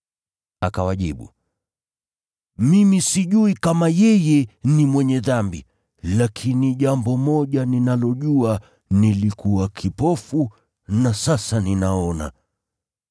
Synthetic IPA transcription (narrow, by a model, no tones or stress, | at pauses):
akawaʄiɓṵ | mimisiʄuikamajɛjɛnimwɛɲɛðambi | lakʰiniʄambɔmɔʄaninalɔʄua | nilikuwakʰipɔfu | nasasaninaɔna̰